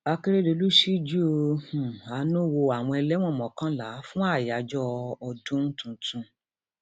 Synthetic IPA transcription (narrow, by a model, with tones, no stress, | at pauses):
a˧ki˦ɾe˦do˧lu˦ʃi˦d͡ʒu˦o˧hũ˨a˨˦nũ˦wo˧a˨w̃ɔ̃˧ɛ˧lɛ˦w̃ɔ̃˦˨mɔ̃˨kã˨˦la˨˦fũ˦a˦˨ja˨˦d͡ʒɔ˦ɔ˧dũ˦n̩˦tũ˨tũ˧